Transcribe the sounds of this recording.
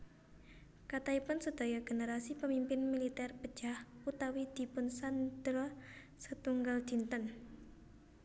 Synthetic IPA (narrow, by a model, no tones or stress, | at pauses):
kat̪aipʊnsəd̪̥a̤jɔɡ̥e̤nəɾasipəmimpɪnmilit̪ɛrpəd̥d͡ʒ̥ahut̪awid̪̥i̤pʊnsand̪̥ɾɔ | sət̪uŋɡald͡ʒ̥i̤nt̪ən